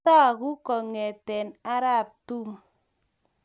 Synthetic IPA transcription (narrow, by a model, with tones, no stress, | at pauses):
a˦˨ku˦kɔ˨ŋe˨tɛ˨na˦ɾa˦˨p̚tu˦m